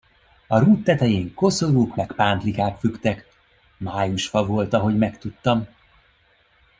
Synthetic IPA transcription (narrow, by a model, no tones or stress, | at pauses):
ɒɾuːt̪ːɛt̪ɛjeːŋko̞so̞ɾuːkmɛkpaːnt̪likaːt̪fykt̪ɛk | maːjuʃfɒvo̞lt̪ɒɦo̞ɟmɛkt̪ut̪ːɒm